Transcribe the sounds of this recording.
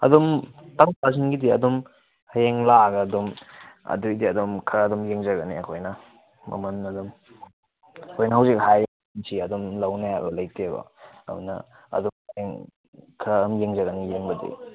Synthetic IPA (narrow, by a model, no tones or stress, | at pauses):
ɐ̰dɔmtɐmpazinɡidiɐdɔm | hɐjeŋlaɡɐːdɔmɐ̰dujdiɐdɔmkʰɐdɔmjeŋd͡ʒɐɡɐniɐkʰojnɐ | mɐ̰mɐnɐdɔm | ɐkʰojnɐɦawzik̚haj | nsʰiɐdɔmlɐwnaabɐlɐjtebɐ̰ɐ̰unɐ̰ | ɐ̰dɔmjeŋ | kʰamjeŋzɐɡɐnijeŋbɐdḭ